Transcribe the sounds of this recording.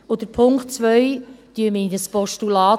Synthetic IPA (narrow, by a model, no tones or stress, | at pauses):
od̥əɾpʰʊŋktt͡sʋœjt̪yəmədəspɔʃtulɑː